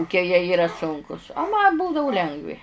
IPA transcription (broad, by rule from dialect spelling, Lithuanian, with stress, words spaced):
kʊˈkʲiɛ jiɛ ˈiːrɐ ˈsʊŋkʊs ɐ ˈmɐ ˈbuːdɐʋʊ ˈlʲɛŋɡʋʲɪ